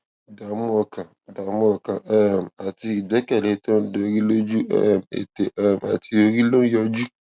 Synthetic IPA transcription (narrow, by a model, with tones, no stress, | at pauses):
da˨mũ˦ɔ˨kã˨ | da˨mũ˦ɔ˨kã˨ʔɛ˦˨ma˨ti˧˨bɛ˨˦kɛ˦˨le˨˦tã˦do˧˨˧ɾi˦lo˦d͡ʒu˦ɛ̰˦mḛ˨te˨˦˨m˨a̰˨ti˧o˧ɾi˦lo˦jɔ˧d͡ʒu˦